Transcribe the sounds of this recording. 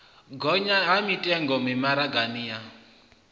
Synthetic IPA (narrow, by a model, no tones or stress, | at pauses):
ɡɔɲaɦamitʼɛŋɡɔmimaɾaɡanija